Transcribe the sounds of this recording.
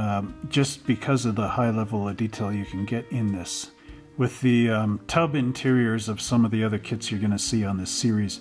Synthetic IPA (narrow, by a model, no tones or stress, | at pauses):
d͡ʒ̥ʌsb̥ɨkʰʌzʌvðəhaɪlɛvl̩ˠʌvditʰeɪlˠjɨkʰɨ̃n̩ɡɛɾɪ̃nðɪs | wɨðɨtʰʌbɨ̃ntʰɪɹiə˞zʌv̥sʌ̃mʌvðiʌðə˞kʰɪtsjə˞ɡʌnɨsiə̃nðɪsɪɹiz̥